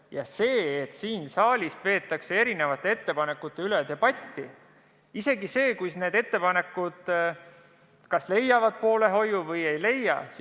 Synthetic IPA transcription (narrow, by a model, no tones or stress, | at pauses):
jɑse̞ːet̪ːsiːnsɑːlʲispe̞ːt̪ːˑɑkse̞e̞ɾine̞vɑt̪ːˑe̞e̞t̪ːe̞pɑne̞kːˑut̪ːˑe̞yled̪̥ebɑt̪ʲːi | ise̞ɡise̞ːkujsne̞ːd̪e̞t̪ːe̞pɑne̞kːˑud̪̥ | kɑsle̞jːɑvɑd̪̥̚po̞ːle̞ɦo̞juvɤje̞jle̞jɑ̰s